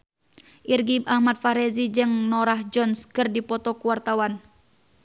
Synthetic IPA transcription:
ʔirɡiahmat̪̚faɾɛzid͡ʒɨŋnɔɾahd͡ʒɔnskɨrdipɔt̪ɔkuwart̪awan

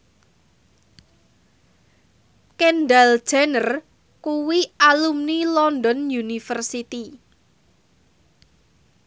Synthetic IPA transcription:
kɛnɖald̥ʒ̥anər | kuwiʔalumnilɔnɖɔnjunifərsit̪i

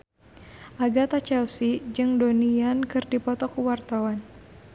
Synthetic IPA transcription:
ʔaɡat̪at͡ʃɛlsid͡ʒɨŋdoniankɨrdipɔt̪ɔkuwart̪awan

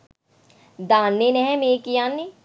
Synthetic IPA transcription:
d̪ãːnːenɛɦɛ̃meːkijaːnːe

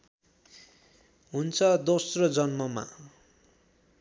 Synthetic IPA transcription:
ɦunt͡sʰʌd̪osrʌd͡zʌnmʌma̰

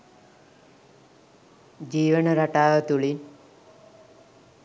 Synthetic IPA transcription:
d͡ʒiːʋənəɾaʈaːʋət̪uɭin

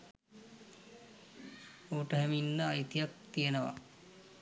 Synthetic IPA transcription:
oːʈəɦɛminːəajt̪ijak̚t̪ijenəʋa̰

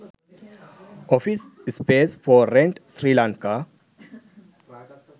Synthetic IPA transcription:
ɔfisispesfɔɾɛ̃ɳʈsɾilãŋka

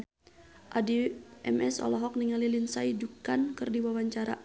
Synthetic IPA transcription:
ʔadiʔɛmɛsɔ̰lɔɦɔk̚niŋalilinsaid͡ʒukankɨrdiwawaɲt͡ʃaɾa̰

